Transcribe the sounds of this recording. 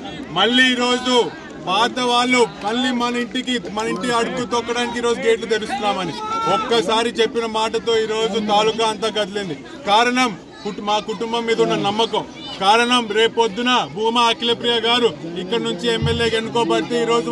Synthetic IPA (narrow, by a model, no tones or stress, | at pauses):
mɐɭːiːɾo̞ːd͡ʒu | baːd̪ɐʋaːɭːumɐɭːimɐnɐiɳʈikimɐniɳʈiɐɽut̪ut̪ɔkːɐɽaːnik̬iːɾo̞ːd͡ʒuɡeːʈlut̪eɾust̪unːaːmɐniɔkːɐsaːɾit͡ʃe̞pːinɐmaːʈɐt̪o̞ːiːɾo̞ːd͡ʒut̪aːlukɐːɐnt̪aːɡɐd̪ɐlind̪i | kaːɾɐɳɐm | kumaːkuʈumbɐmːiːd̪ɐunːɐnɐmːɐkɐm | kaːɾɐɳɐmɾe̞ːpo̞d̪ːunɐbʱuːmɐɐkilepɾijaɡaːɾuikːɐɽnuɲt͡ʃiemːelje̞ːke̞nːukɔːbɐɽt̪eːiːɾo̞ːd͡ʒu